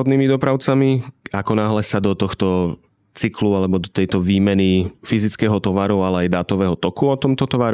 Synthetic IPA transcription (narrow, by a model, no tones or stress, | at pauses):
ɔd̪niːmid̪ɔpɾaʊt͡samiakɔnaːɦlɛsad̪ɔt̪ɔxt̪ɔ | t͡siklualɛbɔd̪ɔt̪ɛjt̪ɔʋiːmɛnifizit͡skɛːɦɔt̪ɔʋaɾualɛajd̪aːt̪ɔʋɛːɦɔt̪ɔkuɔt̪ɔmt̪ɔt̪ɔʋaɾ